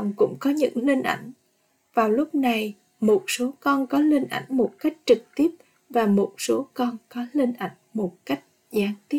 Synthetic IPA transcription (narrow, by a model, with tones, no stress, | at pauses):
wŋ͡mkʊ̰˧˥ŋ͡mkɔ˨˦ɲɨ̰˧˥ŋlï˧ŋ̟ʔa̰˧˩jŋ̟ | vaː˨˩wlʊ˦˥k͡p̚na˨˩j | mo˨˩t̚so˨˦kɔ˧nkɔ˨˦lï˧ŋ̟ʔa̰˧˩jŋ̟mo˨˩t̚ka˦˥jk̟̚t͡ɕɨ˨˩k̚t̪i˦˥əp̚ | vaː˨˩mo˨˩t̚so˨˦kɔ˧nkɔ˨˦lï˧ŋ̟ʔa̰˧˩jŋ̟mo˨˩t̚ka˦˥jk̟̚ | zaː˨˦ŋt̪i˦˥